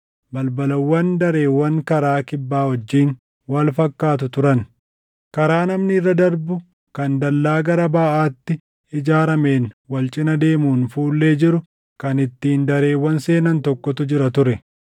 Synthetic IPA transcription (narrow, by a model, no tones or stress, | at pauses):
bɐlbɐlɐwːɐnd̪ɐɾe̞ːwːɐŋkɐɾaːkɪbːaːhɔd͡ʒːiːn | wɐlfɐkːaːt̪̬ʊt̪ʊɾɐn | kɐɾaːnɐmnɪɪrːɐd̪ɐɾbʊ | kɐnd̪ɐlːaːɡɐɾɐbaːʔaːt̪ːɪ | ɪd͡ʒaːɾɐme̞ːnwɐlt͡ʃʼɪnɐd̪e̞ːmuːnfuːlːe̞ːd͡ʒɪɾʊ | kɐnɪt̪ːiːnd̪ɐɾe̞ːwːɐnse̞ːnɐnt̪ɔkːɔt̪ʊd͡ʒɪɾɐt̪ʊɾɛ